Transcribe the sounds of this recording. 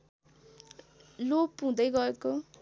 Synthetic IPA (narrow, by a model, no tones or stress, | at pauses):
lopũd̪ʌjɡʌeko